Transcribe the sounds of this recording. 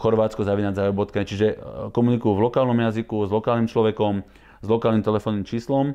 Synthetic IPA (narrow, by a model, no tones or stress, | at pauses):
xɔɾʋaːt͡skɔzaʋinazaɔbɔt̪kaɲɛt͡ʃiʒɛkɔmunikujuvlɔkaːlnɔmjazikuzlɔkaːlnimt͡ʃlɔʋɛkɔm | zlɔkaːlnimt̪ɛlɛfɔːnimt͡ʃiːslɔm